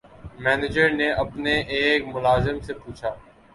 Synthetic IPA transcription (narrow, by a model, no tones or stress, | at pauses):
mɛːnɪd͡ʒəɾneʔɐpneʔeːkmʊlaːzɪmsepuːt͡ʃʰaː